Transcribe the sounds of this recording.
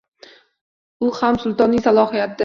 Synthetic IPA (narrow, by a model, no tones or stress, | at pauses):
ʊhamsʊlˠt̪ɒnːɪŋʲsalˠɒhijat̪̚d̪ɪ